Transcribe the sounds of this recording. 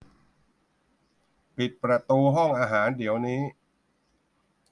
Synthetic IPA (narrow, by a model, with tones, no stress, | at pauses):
pi˨˩t̪̚pɾa˧t̪uː˧ɦɔ˥˩ŋʔaː˧ɦaː˩˦ndi˩˦əwniː˦˥